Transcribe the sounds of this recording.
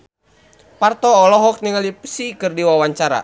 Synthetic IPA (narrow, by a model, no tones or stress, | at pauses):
part̪ɔːlɔɦɔk̚niŋalipə̥sikɨrdiwawaɲt͡ʃaɾa̰